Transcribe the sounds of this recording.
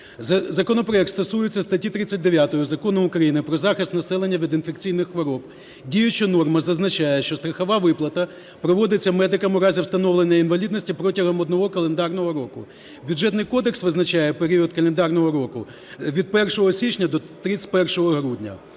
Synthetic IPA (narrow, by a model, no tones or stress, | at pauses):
zɐkɔnɔpɾɔɛkt̪st̪ɐsujɪt͡sʲːɐst̪ɐtʲit̪ɾɪt͡sʲːɐt̚ʲd̪eʋʲjat̪ɔjʊzɐkɔnʊʊkɾɐjinɪpɾɔzɑxɪst̪nɐsɛlˠenʲːɐʋʲid̪ɪnfekt͡sʲijnɪxxʋɔɾɔb | dʲijʊt͡ʃɪnɔrmɐzɐznɐt͡ʃajɛʃt͡ʃɔst̪ɾɐxɐʋɑʋɪplˠɐt̪ɐ | pɾɔʋɔd̪ɪt͡sʲːɐmɛd̪ɪkɐmʊɾɑzʲiwst̪ɐnɔʋlˠenʲːɐinʋɐlʲid̪nɔsʲtʲipɾɔtʲɐɦɔmɔd̪nɔɦɔkɐlˠend̪ɑrnɔɦɔɾɔkʊ | bʲjʊʐɛt̪nɪjkɔd̪eksʋɪznɐt͡ʃajɛpeɾʲiɔt̪̚kɐlˠend̪ɑrnɔɦɔɾɔkʊ | ʋʲid̪̚pɛrʃɔɦɔsʲit͡ʃnʲɐd̪ɔt̪ɾɪsʲt̚ʲpɛrʃɔɦɔɦɾudʲnʲɐ̰